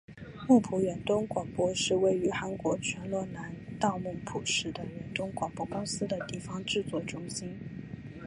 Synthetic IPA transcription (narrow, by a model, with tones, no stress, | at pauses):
mʊ˥˩ŋpʰu˧˥ɥɛ˧˥nt̪ʊ˥ŋkwɑ˨˩ŋpwɔ˥ʂɻ̩˥˧we˥˩ɪy˧˥xa˧˥nkwɔ˧˥t͡ɕʰɥɛ˧˥nlwɔ˥˩na˧˥nt̪ɑ˥˧ʊmʊ˥˩ŋpʰu˨˩ʂɻ̩˥˩d̪ə˩ɥɛ˧˥nt̪ʊ˥ŋkwɑ˨˩ŋpwɔ˥kʊ˥ŋsɹ̩˥d̪ə˨t̪i˥˩fɑ˧˥ŋʈ͡ʂɻ̩˥˧t͡swɔ˥˩ʈ͡ʂʊ˥ŋɕi˥n